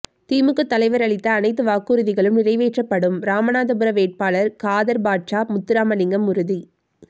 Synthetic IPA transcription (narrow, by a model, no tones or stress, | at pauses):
t̪iːmɯkːɯt̪ːɐlɐɪʋɐɾɐɭɪt̪ːɐːnɐɪt̪̬ːɯʋaːkːɯːɾɯðɪɣɐɭɯmnɪrɐɪʋeːʈrɐpːɐɽɯmɾaːmɐnaːðɐbɯɾɐʋeːʈ̚paːɭɐɾkaːðɐɾbaːʈt͡ʃaːmʊt̪ːɪɾaːmɐnɪŋɡɐmʊɾɯði